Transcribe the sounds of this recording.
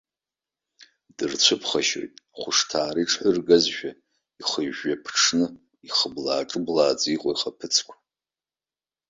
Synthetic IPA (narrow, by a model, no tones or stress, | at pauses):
dɨrt͡ɕʷʰɨpʰχaʃo̰jtʼaχʷʊʂtʰaːɾiʈ͡ʂʰħʊrɡazʒᶣa | iχəʒːapʰʈ͡ʂʰnɨ | iχəblaːʈ͡ʂʼɨblaːd͡zʼiqʷʼoiχapʰɨt͡sʰkʷʰḁ